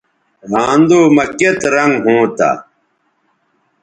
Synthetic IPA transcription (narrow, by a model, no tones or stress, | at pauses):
ɾaːnd̪oːmɐket̪ɾɐŋɡɦõːt̪a̰ː